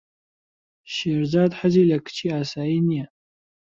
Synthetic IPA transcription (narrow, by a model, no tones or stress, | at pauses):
ʃerd͡zadħazilʲakʰt͡ʃʰiasainija